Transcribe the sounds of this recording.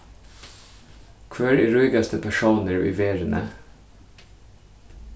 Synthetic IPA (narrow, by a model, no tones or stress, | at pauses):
kʰʋæːɾɹuɪɡɑst̪ʰəpʰæʃuːnəɹʋḭːʋeːɾnʔə̰